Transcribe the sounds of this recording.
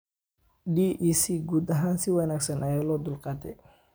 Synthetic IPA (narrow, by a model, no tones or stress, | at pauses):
ɖiːʔiːsiːɡuːd̪ɐɦaːnsɪwɑnaːɡsɐnʔɐjaːlɔːd̪ʊlqɑːt̪ʰɛj